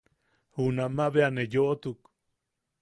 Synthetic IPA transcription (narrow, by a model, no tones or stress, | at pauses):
hunamaβeanejoʔot̪uk